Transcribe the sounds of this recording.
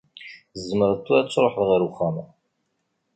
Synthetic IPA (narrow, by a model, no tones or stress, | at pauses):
zːəməɾðt̪ːʊɾæt͡sːɾˤoħðʁiɾʊχːæmæ